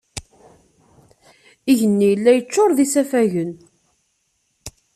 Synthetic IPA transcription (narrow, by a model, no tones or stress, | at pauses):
iʝənːijəlːæjət͡ʃːoɾˤðisæfæʝən